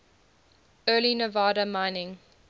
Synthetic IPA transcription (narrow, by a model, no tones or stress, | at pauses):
ɜːlinəvɑːɾəmãɪnɪ̃ŋ